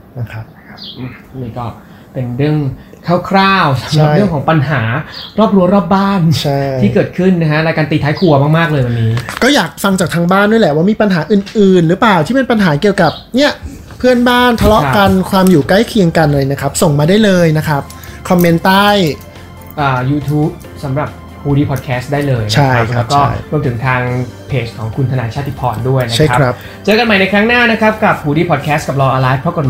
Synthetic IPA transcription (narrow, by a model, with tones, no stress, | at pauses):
na˦˥˩kʰa˦˥p̚ʰʔɯ˧˩niː˧˩kɔː˥˩ | pe˧nɾɯ˥˩əŋkʰaː˥˩wkʰɾaː˥˩wsa˨˦mɾʰa˦˥˩jɯ˥˩əŋkʰːŋpa˧nɦaː˩˦ɾɔː˥˩p̚ɾu˧˥ɐɾɔː˥˩p̚baː˥˩nt͡ɕʰa˥˩iː˥˩kɤː˨˩t̪̚kʰɯ˥˩nːa˦˥kʰa˦˥ɾaː˧jkaː˧nt̪iː˧˩t̪ʰaː˦˥jkʰu˧ɐmaː˥˩k̚maː˥˩k̚lɤː˧jwa˧˩˧nːiː˦˥kɔː˥˩jaː˨˩k̚fa˧ŋt͡ɕaː˨˩k̚t̪ʰaː˧ŋbaː˥˩ndu˥˩jlɛ˨˩waː˥˩miː˧pa˧nɦaː˩˦ʔɯː˨˩nʔɯː˨˩nɾɯː˩˦˥plaː˨˩wt̪ʰiː˥˩pe˧npa˧nɦaː˩˦ki˨˩əwka˨˩p̚ni˥˩ɐ | pʰɯ˥˩ənbaː˥˩nt̪ʰa˧lɔ˦ʔka˧nkʰwaː˧mjuː˨˩kla˥˩jkʰi˧əŋka˧nlɤː˧jna˦˥kʰɾa˦˥p̚so˨˩ŋmaː˧daː˥˩jlɤː˧jna˦˥kʰɾa˦˥p̚ | kʰɔ˧mːe˧nt̪aː˥˩j | ʔaː˨˩juː˧t̪ʰuː˦˥p̚ | sa˩˦mɾa˨˩p̚ | huː˧diː˧pʰɔ˨˩t̪kʰɛː˦˥st̪̚daː˥˩jlɤː˧jnt͡ɕa˦a˥˩ja˦kʰɾɛ˦w̚kt͡ɕɔːaː˥˩˥jɾu˧ət̪ʰɯ˩˦ŋt̪ʰaː˧ŋpʰeː˨˩t͡ɕkʰːɔː˩˦ŋkʰu˧nt̪ʰa˧naː˨˩˦nt͡ɕʰaː˥˩t̪ʰːi˧˩pʰɔ̰ː˨˩ndu˥˩əjna˦t͡ɕʰa˥˩kʰkʰɾa˦˥p̚ | t͡ɕɤː˧ka˧nma˨˩jna˧jkʰɾa˦˥ŋnaː˥˩na˦˥kʰɾa˦˥p̚ka˨˩p̚huː˧diː˧pʰɔ˨t̪̚kʰɛː˦˥st̚ka˨˩p̚lɔː˧ʔɔː˧laː˦˥fpʰɾɔ˦˥kɔ˨˩t̚m